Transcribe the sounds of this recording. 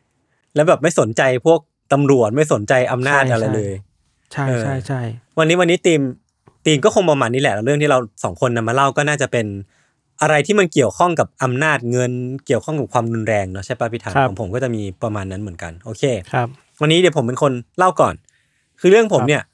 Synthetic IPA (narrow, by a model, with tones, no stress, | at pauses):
lɛ˦˥wbɛː˨˩ma˥˩jso˩˦nt͡ɕa˧jpʰu˥˩ək̚t̪a˧mɾu˨˩ət̪̚ma˥˩jso˨˩˦nt͡ɕa˧jʔa˧mnaː˥˩t̚ʔa˧ɾa˧jlɤː˧j | t͡ɕʰa˥ʔɤː˥˩˥jwa˧nːiː˦˥wa˧nːiː˦˥t̪iː˧m | t̪iː˧mkɔː˥˩xo˧ŋpɾa˧maː˧nːi˦˥lɛ˨˩lɾɯ˥˩ŋt̪ʰiː˥˩ɾa˧wsɔː˩˦ŋkʰo˧nːa˧maː˧la˥˩wkɔː˥˩naː˥˩t͡ɕa˨˩pe˧n | ʔa˧ɾa˧jt̪ʰiː˥˩ma˧nki˨˩əwkʰɔ˥˩ŋka˨˩p̚ʔa˧mnaː˥˩t̪̚ŋɤ˧nki˨˩əwkʰɔ˥˩ŋka˨˩p̚kʰwaː˧mɾu˧nɾɛː˧ŋnɔ˦˥t͡ɕʰa˥˩jpaː˦˥˩pʰi˦˥t̪ʰaː˨˦kʰɔː˧˨˩pʰo˩˦mkɔː˥˩t͡ɕa˨˩miː˧pɾa˧maː˧nːa˦˥nmɯ˩˦ənka̰˧nʔoː˧kʰeː˧˦ | wa˧nːiː˦˥di˩˦pʰo˩˦mpe˧nkʰo˧nla˥˩wkɔ̰ː˨˩n | kʰɯː˧ɾɯ˥˩əŋpʰo˩˦mni˥˩ɐ